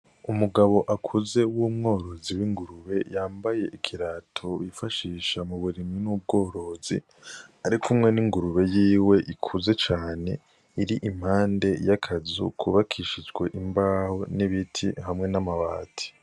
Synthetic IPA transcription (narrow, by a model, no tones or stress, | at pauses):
umuɡaβo̞ʔakʰuze̞wumŋo̞ːɾo̞ziwiŋɡuɾuβe̞jaːmbaje̞ʔikʰiɾatʰoβifaʃiːʃamuβuɾiminub̚ɡo̞ːɾo̞ːzḭ | aɾikʰumŋe̞niŋɡuɾuβe̞jiːwe̞ʔikʰuze̞t͡ʃaːne̞ | iɾiʔim̥haːnde̞jakʰazṵkʰuβakʰiʃid͡ʒɡwe̞ʔimbaːho̞niβitʰḭhamŋe̞namaβa̰ːtʰi̥